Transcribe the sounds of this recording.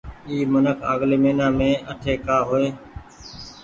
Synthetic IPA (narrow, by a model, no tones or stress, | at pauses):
iːmənəkʰa̰ːɠleːmeːnãːmẽːəʈʰeːkaːɦoeː